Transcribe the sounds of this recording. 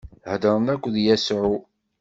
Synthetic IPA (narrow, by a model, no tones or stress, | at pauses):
hd̪əɾˤənækʷːðjæsʕu